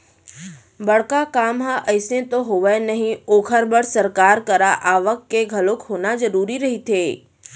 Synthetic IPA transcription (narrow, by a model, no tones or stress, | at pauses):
bɐɽ̤kakaːmɦãʔəjsẽt̪oɦoʋənɐɦĩoːkʰəɾbəɽsɐɾkaːɾkɐɾaʔaːʋəkːeɡʱɐlokɦoːnazɐɾuːɾiɾɐɦit̪ʰeː